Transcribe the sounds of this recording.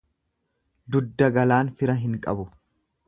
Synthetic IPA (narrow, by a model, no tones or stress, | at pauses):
d̪ʊd̪ːɐɡɐlaːnfɪɾɐɦɪŋkʼɐ̰bʊ